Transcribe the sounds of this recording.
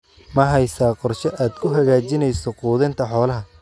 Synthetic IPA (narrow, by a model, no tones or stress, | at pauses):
mɐɦɛjsaːqɔrʃɐʔaːd̪kʰʊɦɐɣaːt͡ʃɪnɛjsɔquːðɛnt̪ʰɐħɔːlɐɦɐ